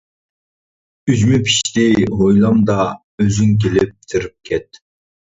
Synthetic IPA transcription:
yzmypʰi̥ʃt̪ɪɦojlˠɑmd̪ɑ | øzyŋk̬ʲelɪp̚t̪ʰɪɾɪp̚kʲʰɛt̪̚

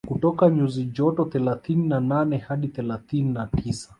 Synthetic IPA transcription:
kutɔkaɲuzid͡ʒɔtɔθɛlaθininananɛhaɗiθɛlaθininatʰisḁ

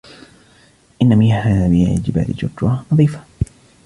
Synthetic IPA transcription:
ʔɪnːamihaabiʕɪ̰d͡ʒɪba̰ːlɪ̰d͡ʒʊkːwanɑðˤiːfḁ

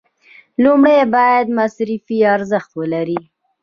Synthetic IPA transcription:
lumɽejbɑjad̪masɾifiɑɾzəxt̪wəlaɾi

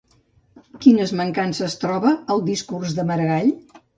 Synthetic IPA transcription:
kinəzməŋkansəst̪ɾɔβəːlˠd̪iskurzðəməɾəɣaʎ

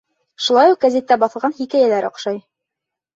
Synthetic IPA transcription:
ʃulˠɑjuq̚ɡæzʲet̪ːæbɑθɤ̆lˠʁɑnhikæjælæɾɒ̰qʃɑj

